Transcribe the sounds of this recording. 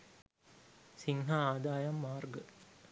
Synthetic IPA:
siŋɦaaːd̪aːjɐmːaːrɡə

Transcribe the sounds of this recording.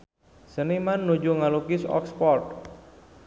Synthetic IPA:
sənimanːud͡ʒuŋalukɪsɔ̰kspɔrt̪̚

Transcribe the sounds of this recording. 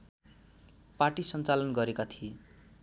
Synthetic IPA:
paʈisʌnt͡salʌnɡʌɾekat̪ʰi

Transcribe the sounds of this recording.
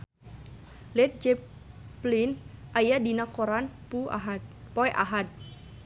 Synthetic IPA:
lɛt̪̚d͡ʒɛ | plinʔajadinakoɾanpu | pɔɛʔaɦat̪̚

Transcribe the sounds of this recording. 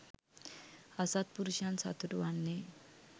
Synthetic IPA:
asat̪̚puɾuʃansa̰t̪uʈwanːe

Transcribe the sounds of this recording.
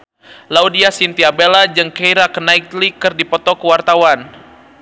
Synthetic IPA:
laudiasint̪iabelad͡ʒɨŋkejɾakənaik̪̚likɨrdipɔt̪ɔkəwart̪awan

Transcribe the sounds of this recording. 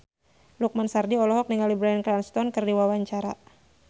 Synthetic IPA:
luk̚mansardiɔlɔɦɔk̚niŋalibɾaɛnkɾanst̪ɔnkərdiwawaɲt͡ʃaɾa

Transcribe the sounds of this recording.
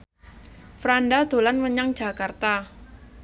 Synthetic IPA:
fɾandad̪̥o̤lanməɲaŋd͡ʒ̥a̤kart̪a

